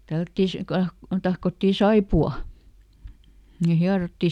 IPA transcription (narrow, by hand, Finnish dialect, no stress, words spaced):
tælːætːiˑ si kɑ kun tɑhkotːiˑ sɑipuɑl̆ ni hiɑrotːi